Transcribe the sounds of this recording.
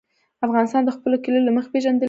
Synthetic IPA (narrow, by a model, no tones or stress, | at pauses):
afɣɑnɪst̪ɑnd̪əxpəlokilolaməxḁpeʒand̪ə